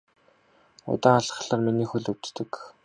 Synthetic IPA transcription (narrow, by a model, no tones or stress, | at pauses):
ʊ̰t̪aːaɮ̆ɮaːrminiːxuɮɵwt̪t̪ɘ̆k